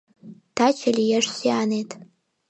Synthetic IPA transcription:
tʰat͡ʃʰalʲijaʂsiaːnejtʼ

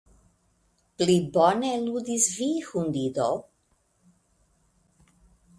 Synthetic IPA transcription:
plibɔnɛlud̪isvixund̪id̪ɔw

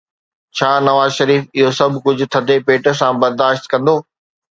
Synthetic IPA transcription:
t͡ɕʰaːnɐʋaːzʃɐɾiːfɪɦosɐbʱkʊd͡ʑʱʊ̆t̪ʰɐd̪epeːʈəsãbɐɾd̪aːʃt̪kɐ̃nd̪oː

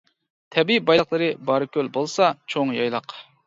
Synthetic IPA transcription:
t̪ʰɛbibɑjlˠqlˠɨɾɨbɑɾɨkʲølbolˠsɑt͡ʃʰoŋjɑjlˠɑq

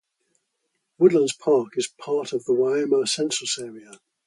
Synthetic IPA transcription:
wʊdˡlə̃ndz̥pʰɑˑkɪz̥pʰɑˑtʰəvðəwaɪɛməsɛ̃nt͡ʃɹ̥əsɛːɹiə

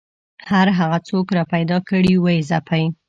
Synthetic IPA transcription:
haɾɦaɣat͡sokɾɑpajd̪ɑkəɽiwajizapaj

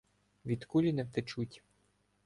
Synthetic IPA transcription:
ʋʲid̪kulʲinɛwt̪et͡ʃutʲ

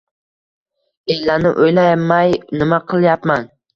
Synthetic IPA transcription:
ejlːænɪ̰ʔojlɛmɛjnɪmɛqʰəlˠɪjɑpmɛn

